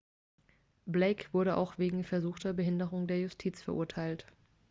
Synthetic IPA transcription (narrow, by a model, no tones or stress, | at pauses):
bleɪkv̥ʊɐɾəʔa̰ʊxv̥eːɡŋ̩fɛɐzuːxtɐbəɦɪndəʁ̞ʊŋdeːɐjʊstʰiːt͡sfɛɐʔʊ̰ɐtʰaɪlt